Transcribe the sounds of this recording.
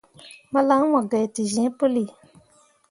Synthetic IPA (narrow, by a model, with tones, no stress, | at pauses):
ma˧˦la˨˦ŋ˦mã˨ɡɛ˨ti˨zɛ̃˨˦po˦li˨